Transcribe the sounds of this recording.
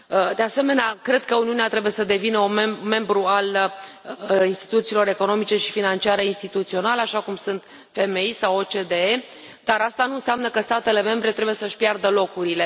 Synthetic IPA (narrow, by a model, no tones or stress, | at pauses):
əd̪e̞ase̞me̞neakɾe̞d̪kəuniuneat̪ɾe̞buje̞səd̪e̞vinəunme̞mbɾual | inst̪i̥t̪ut̪siːlo̞ɾe̞ko̞no̞mit͡ʃe̞ʃi̥finant͡ʃiaɾeinst̪it̪ut̪sio̞nalaʃakumsunt̪ | fe̞me̞jsawo̞t͡ʃe̞d̪ee | d̪aɾast̪anuɨnsamnəkəst̪at̪e̞le̞me̞mbɾet̪ɾe̞buje̞səʃʲpjard̪əlo̞kuɾile̞